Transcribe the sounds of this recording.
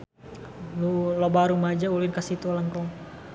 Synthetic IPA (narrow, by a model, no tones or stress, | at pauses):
lulobaɾumad͡ʒauluinkasit̪ulaŋkɔ